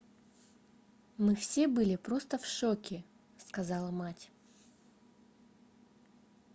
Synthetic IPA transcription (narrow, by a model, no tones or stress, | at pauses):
mɨfsʲe̞bɨlʲɪpɾo̞st̪əfʂokʲɪ | skɐzɑlˠəmatʲ